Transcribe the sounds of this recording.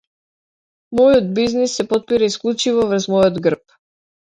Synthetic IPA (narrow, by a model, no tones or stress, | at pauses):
mɔjɔd̪̚biznisːɛpɔt̪̚piɾaisklˠut͡ʃivɔvr̩zmɔjɔd̪ɡr̩p̚